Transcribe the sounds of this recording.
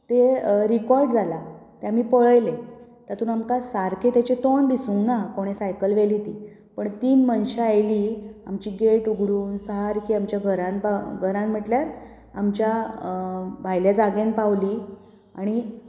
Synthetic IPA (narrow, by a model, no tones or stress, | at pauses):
t̪eɾikɔɾɖd͡zʱalat̪jamiːpəɭəjlet̪at̪uːnamkasaɾkʰet̪jat͡ɕet̪oɳb̪isũŋɡnakoɽ̃esajkəlʋelit̪i | pəɳt̪iːnmənɕaajliːa̰mt͡ɕiːɡeʈuɡʱɽuːnsəɦaɾkiːamt͡ɕjaɡʱəɾãnpaɡʱəɾãnm̤əʈljaɾ | amt͡ɕja | bʱajljad͡zaɡẽnpaʋliː | aɽ̃i